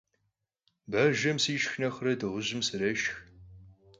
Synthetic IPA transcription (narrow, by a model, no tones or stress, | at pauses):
bɐʒɐmsiːʃxnɐxrɐdɨʁʷʊʑɪmsɨɾɐʃx